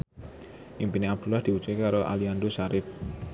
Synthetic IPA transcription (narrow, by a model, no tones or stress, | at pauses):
ʔimpiniap̚d̪̥ṳlahd̪̥i̤wut͡ʃekaɾoʔa̰liand̪oʃaɾɪf